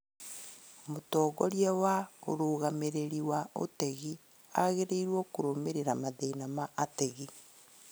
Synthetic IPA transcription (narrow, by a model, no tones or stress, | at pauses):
motɔːɣɔɾjɛwaoɾoɣameɾeɾiwao̰teɣi | aɣeɾeiɾwɔkoɾomeɾeɾamaðeinamaʔːtɛɣi